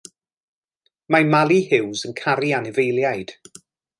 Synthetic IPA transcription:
majmalˠihɪwzənkʰaɾianɛvejlˠjajd̥

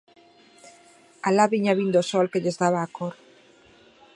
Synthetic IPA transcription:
alaβiɲaβind̪osolkeʎezðaβaːkʰoɾ

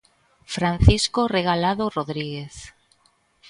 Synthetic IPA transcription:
fɾan̟θiskoreɣ̞alaðoroðɾiɣeθ

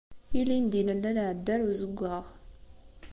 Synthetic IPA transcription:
ilind̪inəlːænʕd̪ːæɾuzəɡʷːaʁ

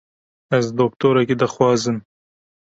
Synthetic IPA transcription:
azd̪ok̚t̪oɾaked̪əxwɑzən

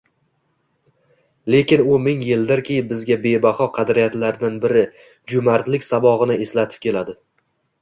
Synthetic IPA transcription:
le̞kʲɪnʊmɪŋjɪld̪ɪɾkʲʰebɪzɡʲabe̞bahɒqʰɑd̪ɾijat̪laɾd̪anbɪɾɪ | d͡ʒʊmaɾt̪lɪkʲsabɒʁɨnɪeslat̪ʰɪ̥p̚kʲe̞lad̪ɪ

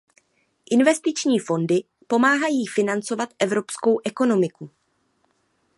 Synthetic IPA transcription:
ʔɪnvɛst̪ɪt͡ʃɲiːfo̞ndɪ | po̞maːɦajiːfɪnant͡so̞vat̪ʔɛvɾo̞psko̞wʔɛko̞no̞mɪku

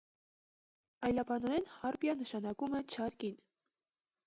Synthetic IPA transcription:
ɑjlɑbɑnɔɾɛnhɑɾpjɑnəʃɑnɑkumɛt͡ʃʰɑɾkin

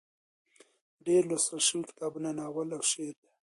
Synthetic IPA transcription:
ɖeɾlosɾaʃunkɪ̥t̪ɑːbunanaːwəlawʃeɾd̪e

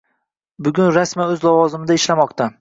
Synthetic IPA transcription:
bʊɡʲʊnɾasmaɵzlavɒzɪmɪd̪aɪʃlamɒqt̪ʰa

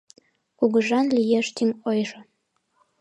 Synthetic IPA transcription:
kuɣəʒɑnlʲijeʃt̪ʲimojʒə̆

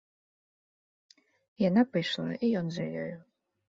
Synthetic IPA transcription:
janapɨjʂlˠa̰ijɔnzɐjɔ̰jʊ

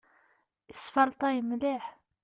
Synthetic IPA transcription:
əsfɑɾˤt̪ˤɑjəmliħ

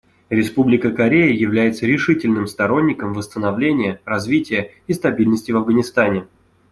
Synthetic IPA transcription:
ɾʲɪspublʲɪkəkɐɾʲejəjɪvlʲæjɪt̪səɾʲɪʂɨtʲɪlʲnɨmst̪ɐɾo̞nʲːɪkəmvəst̪ənɐvlʲenʲɪjərɐzvʲitʲɪjə | ist̪ɐbʲilʲnəsʲtʲɪvɐvɡənʲɪst̪anʲɪ

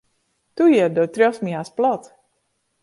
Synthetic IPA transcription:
t̪ujiɾd̪ɔt̪ɾʲɔwsmijaːsplˠɔt̪

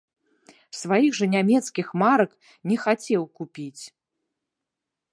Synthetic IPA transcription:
svajiɣʐɐnʲamʲɛt̪skʲixmaɾɐk | nʲɛxat͡sʲɛwkupʲit͡sʲ

